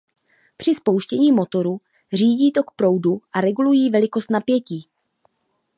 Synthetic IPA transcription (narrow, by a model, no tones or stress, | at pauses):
pr̝̥ɪspo̞wʃcɛɲiːmo̞t̪o̞ɾu | r̝iːɟiːt̪o̞kpɾo̞wduʔaɾɛɡulujiːvɛlɪko̞st̪napjɛciː